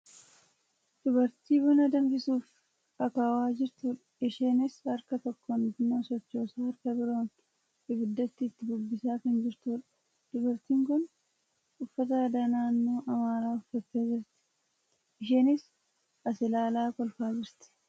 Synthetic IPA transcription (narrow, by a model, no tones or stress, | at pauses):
d̪̥ʊbɐɾt̪iːbʊnɐd̪ɐŋɡɪsuːf | ɐkaːwaːd͡ʒɪɾt̪uːᶑɐ̥ɪʃeːnɪsɐɾkɐt̪ɔkːɔnɡʊnːaːsɔt͡ʃːo̞ːsaːɐɾkɐbɪɾoːn | ɪbɪd̪ːɐt̪ːɪːt̪ːɪbʊbːɪsaːkɐnd͡ʒɪɾt̪uːᶑɐ̥ | d̪̥ʊbɐɾt̪iːŋkʊn | ʊfːɐt̪ɐɐd̪anaːnːoːʔɐmaːɾaːʊfːɐt̪ːe̞ːd͡ʒɪɾt̪ɪ̥ | ʔɪʃeːnɪs | ɐsɪlaːlaːkɔlfaːd͡ʒɪɾt̪ɪ̥